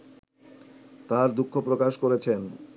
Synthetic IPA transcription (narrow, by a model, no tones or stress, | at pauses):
t̪aɾd̪ukʰːopɾokaʃkoɾet͡ɕʰen